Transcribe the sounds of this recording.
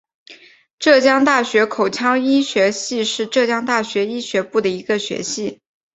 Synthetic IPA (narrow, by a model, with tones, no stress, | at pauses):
ʈ͡ʂɤ˥˩t͡ɕjɑ˥ŋt̪a˥˩ɕɥɛ˧˥kʰo˨˩ʊt͡ɕʰjɑ˥ŋi˥ɕɥɛ˧˥ɕi˥˧ʂɻ̩˥˧ʈ͡ʂɤ˥˩t͡ɕjɑ˥ŋt̪a˥˩ɕɥɛ˧˥i˥ɕɥɛ˧˥pu˥˩d̪ə˩i˧˥ɡə˧ɕɥɛ̰˧˥ɕi˥˩